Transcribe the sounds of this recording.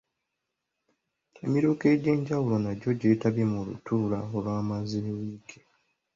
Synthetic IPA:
emiɾuke̞ɟe̞ːɲɟawulo̞naɟo̞ɟe̞ːtaβemulṵtuːlaolwaːmaziwiːkʰe

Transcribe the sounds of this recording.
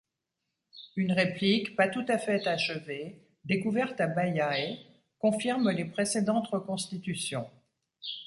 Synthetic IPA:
ynʁeplikpat̪ut̪afɛt̪aʃəve | d̪ekuvɛʁt̪abajae | kɔ̃fiʁmlepχesed̪ɑ̃t̪ʁəkɔ̃st̪it̪ysjɔ̃

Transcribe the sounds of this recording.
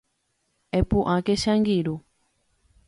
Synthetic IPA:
ɛpuʔãkɛʃaŋɡiɾu

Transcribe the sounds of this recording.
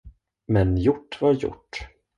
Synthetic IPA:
mɛnjʊʈːvaɾjʊ̰ʈː

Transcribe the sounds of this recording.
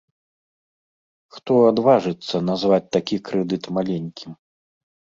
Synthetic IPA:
xt̪ɔad̪vaʐɨt̪sːɐnazvat͡sʲt̪akʲikɾɛd̪ɨt̪malʲenʲkʲim

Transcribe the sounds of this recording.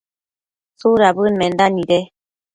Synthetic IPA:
suɾabɯnmɛndaniɾɛ

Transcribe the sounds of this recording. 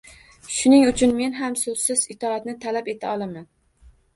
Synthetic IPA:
ʃʊnɪŋʊt͡ʃʰʊnme̞nɦamsɵz̥sɪzɪt̪ʰɒat̪nɪt̪ʰalape̞t̪ʰaɒlˠaman

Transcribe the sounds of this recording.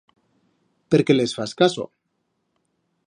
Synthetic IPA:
peɾke̞lesfaskaso̞̰

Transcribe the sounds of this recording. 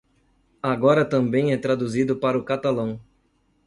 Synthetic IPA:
aɡɔɾɐt̪ɐ̃mbẽj̃ɛt̪ɾad̪uzid̪ʊpaɾʊkat̪alɐ̃w̃

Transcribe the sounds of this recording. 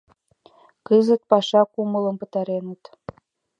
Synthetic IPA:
kəzə̆t̪̚pɑʃɑkumələ̆mpə̆t̪ɑɾenə̆t̪

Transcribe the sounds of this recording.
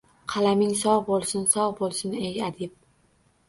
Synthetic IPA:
qʰɑlamɪŋsɒʁbolˠsɪnsɒʁbolˠsɪneɡʲad̪ɪp̚

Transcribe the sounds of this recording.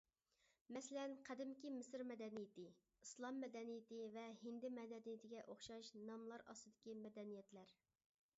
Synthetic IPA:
mɛsɪlɛnqʰæd̪ɪmkʲimɪsɪɾmɛd̪ɛnijɪt̪ɪ | islˠɑmːɛd̪ɛnijɪt̪ɪvɛhɪnd̪ɪmɛd̪ɛnijɪt̪ʰɪɡʲɛʔoχʃɑʃnɑmlˠɑɾɑ̰sɨd̪ɪkʲimɛd̪ɛnijɛt̪læɾ

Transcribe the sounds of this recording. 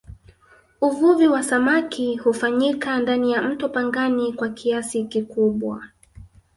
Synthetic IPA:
uvuviwasamakihufaɲikandanijam̩tɔpaŋɡanikwakʰiasikikuɓwa̰

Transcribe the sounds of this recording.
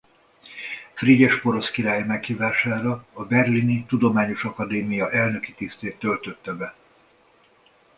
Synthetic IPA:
friɟɛʃpo̞ɾo̞skiɾaːjimɛkhiːvaːʃaːɾɒːbɛrlinit̪ud̪o̞maːɲo̞ʃɒkɒd̪eːmijɒʔɛlnø̞kit̪ist̪eːt̪ːølt̪ø̞t̪ːɛbɛ

